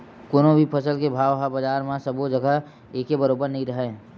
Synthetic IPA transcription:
koːnõbʱipʰɐsəlkebʱaːʋɦabɐd͡ʒaːɾmãsɐbod͡ʒɐɡəɦ | eːkebɐɾoːbəɾnɐɦĩɾɐɦeː

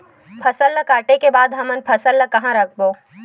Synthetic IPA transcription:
pʰɐsəlːəkaːʈekebaːd̪ɦɐmənpʰɐsəlːəkɐɦãɾɐkʰboː

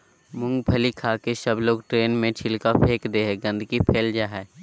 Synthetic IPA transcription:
mʊ̃ŋɡpʰɐlikʰaːkesɐbloːɡʈɾeːnmẽt͡ʃʰɪlkapʰeːkd̪eːɦɛɡə̃nd̪ʱkipʰeːld͡ʒaːɦɛ

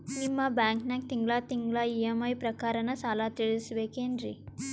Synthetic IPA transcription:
nimːabaːŋknaːk̚t̪iŋɡlaːt̪iŋɡlaːijɐmɐjpɾɐkaːɾɐnɐt͡ʃaːlaːt̪eɭisʋeːkeːnɾḭ

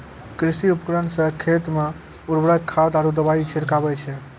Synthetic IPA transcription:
kɾisiupkɾansəkʰːet̪me | uɾbɾəkkʰːawt̪aɾud̪əbait͡ʃʰiɾkabɛt͡ʃʰɛ

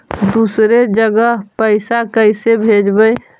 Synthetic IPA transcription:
d̪usɾed͡ʒəɡəɦpəɪsakəɪsebʱed͡ʒbəj

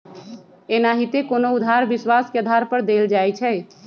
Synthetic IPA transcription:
eːnaɦit̪ekoːnoʊd̪ʱaɾʋɪswaːskeəd̪ʱaːɾpəɾd̪eːld͡ʒaːɛt͡ʃʰɛː

